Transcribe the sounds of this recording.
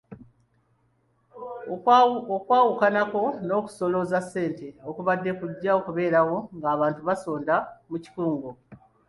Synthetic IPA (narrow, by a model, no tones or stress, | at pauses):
okwaːwukanako̞no̞ːku̥so̞lo̞zasːe̞ːnte̞okuβadːe̞kuɟːao̞kuβe̞ːɾawo̞ŋɡaːβaːntuβaso̞ːndamuci̥kuːŋɡo